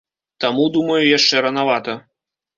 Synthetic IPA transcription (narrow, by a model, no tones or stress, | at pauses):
t̪amud̪umɐjujaʂt͡ʂɛɾɐnavat̪ɐ